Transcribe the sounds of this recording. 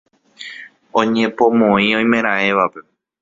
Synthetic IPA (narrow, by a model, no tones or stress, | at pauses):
õɲẽ̞põmõĩõj̃mẽ̞ɾ̃ãe̞ʋape̞